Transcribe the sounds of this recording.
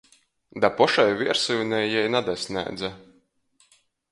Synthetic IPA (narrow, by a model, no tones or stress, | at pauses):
d̪apɔʃajvʲiɛɾsujunʲɛjːɛjnad̪asʲnʲæ̰ːd̪za